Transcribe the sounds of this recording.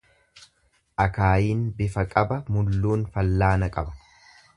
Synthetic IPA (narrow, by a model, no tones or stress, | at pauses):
ʔɐkaːjiːnbɪfɐkʼɐbɐmʊlːuːnfɐlːaːnɐkʼɐbɐ̥